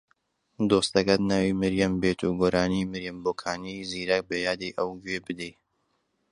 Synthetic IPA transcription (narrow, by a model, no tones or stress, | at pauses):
d̪oːst̪ɐkɐt̪naːwimɨɾjɐmbeːt̪ʰuːɡoːɾaːnimɨɾjɐmboːkʰaːnijziːɾɐk̚bɐjaːd̪iːʔɐwd͡ʒweːbɨd̪ej